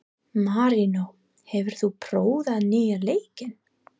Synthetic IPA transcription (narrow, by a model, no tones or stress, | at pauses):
maɾino | hɛvʏɾ̥θupʰɾoːwðaðnɪːjaɾleːjcɪn